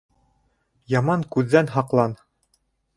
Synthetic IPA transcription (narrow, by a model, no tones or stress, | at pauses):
jɑmɑŋkʉðːænɦɑqlˠɑn